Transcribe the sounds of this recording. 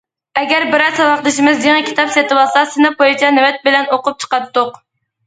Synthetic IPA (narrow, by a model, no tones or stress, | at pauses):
ɛɡʲæɾbɪɾɑzsɑwɑχd̪ˠɨʃɪmɪzd̪eŋɪkʲʰi̥t̪ɑpsɛt̪ɨwɑlˠsɑsɪnɪpʰojit͡ʃʰɛnɪwɛt̪̚bɪlɛnoqʊp̚t͡ʃʰə̥qɑt̪ːʊq